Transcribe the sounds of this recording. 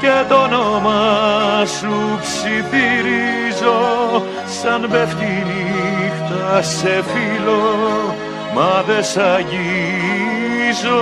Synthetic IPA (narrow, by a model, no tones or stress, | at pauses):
cet̪onomɐ | supsiθiɾizo | sɐnbeft̪inixt̪ɐsefilo | mɐðesɐʝi | zo